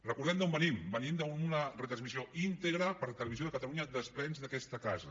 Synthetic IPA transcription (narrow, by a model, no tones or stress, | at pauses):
rəkuɾðɛmd̪ombənimbənind̪əunərət̪ɾənzmizioint̪əɣɾəpəɾlət̪ələβizjoðəkət̪əluɲəd̪əsplɛnzðəkɛst̪əkazə